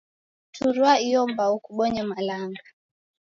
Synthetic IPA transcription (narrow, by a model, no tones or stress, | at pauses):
tʰuɾwaijɔmbaukuɓɔɲamalaŋɡa